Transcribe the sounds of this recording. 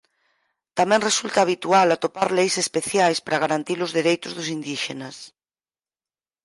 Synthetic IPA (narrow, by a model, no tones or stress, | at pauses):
t̪amɛ̃ŋresult̪aːβ̞it̪ualat̪opaɾlejsespeθjajspaɾaɣ̞aɾant̪ilʊzðeɾejt̪ʊzðʊs̬ind̪iʃḛnɐs